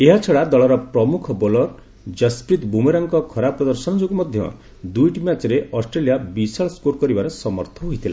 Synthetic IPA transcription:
eɦat͡ʃʰɔɽad̪ɔɭɔɾɔpɾɔmukʰɔbɔlɔɾ | d͡ʒaspɾit̪bumeɾɔŋkɔkʰɔɾapɾɔd̪ɔɾsɔnɔd͡ʒokɔmɔd̪ʱjɔ̰ | d̪ujʈimat͡ʃɔɾeʔɔsʈɾelijabisaɭskoɾkɔɾibaɾɔsɔmɔɾt̪ʰɔɦojt̪ʰila

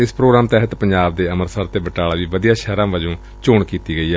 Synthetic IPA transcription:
ɪspɾoːɡɾaːmt̪ɛːɦət̪pəɲd͡ʒaːb̚d̪eːəməɾsəɾt̪eːbəʈaːlaːʋiːʋəd̪ijaːʃɛːɾãːʋəd͡ʒõː | t͡ʃoːɳkiːt̪iːɡəiːɛː

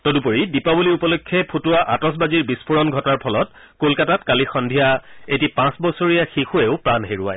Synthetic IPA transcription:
tɔdupoɹidipabuliupɔlokʰːɛpʰutʊwaʔatɔs̬baziɹbispʰuɹɔnɡʱɔtaɹpʰɔlɔt̚ | kolkatatkalixɔndʱijaetipãsbɔsoɹijaxixueʊpɹanɦeɹʊa̰j

